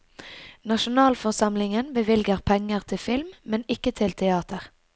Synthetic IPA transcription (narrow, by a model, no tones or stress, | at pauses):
nɑʃʊnɑːlfɔʁsɑmlɪŋənbəʋɪlɡəʁpʰɛŋəʁt̪ʰɪlfɪlmːɛnɪkət̪ʰɪlt̪ʰɛɑːt̪əʁ